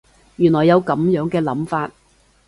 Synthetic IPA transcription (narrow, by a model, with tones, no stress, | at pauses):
jyː˨˩nlɔː˨˩jːɐ˨˧wkɐ˨˥mjœː˨˥ŋkɛː˧lɐ˨˥mfaː˧t̚